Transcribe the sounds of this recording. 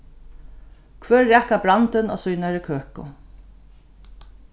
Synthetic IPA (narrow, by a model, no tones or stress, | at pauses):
kʰvœːɹːɛːhkabɾant̪ɪnɔ̰sujnaɾɪkʰøːkʊ̰